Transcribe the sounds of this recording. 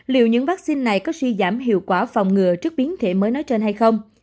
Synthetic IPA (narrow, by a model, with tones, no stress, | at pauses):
lḭ˧˨wɲɨ̰˧˥ŋvaː˦˥k̚si˧nːa˨˩jkɔ˨˦swi˧zaː˧˩mɦḭ˧˨əwkwaː˧˩fa˨˩wŋ͡mŋɨ˨˩ət͡ɕɨ˦˥k̚ɓi˨˦ənt̪ʰe˧˩məː˨˦jnɔ˨˦jt͡ɕe˧nha˧jxə˧wŋ͡m